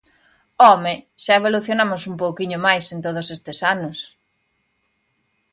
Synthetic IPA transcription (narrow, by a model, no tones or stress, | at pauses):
ɔmeʃaeβ̞oluθjonamʊsumpowkiɲʊmajsent̪oð̞ʊsest̪esanʊs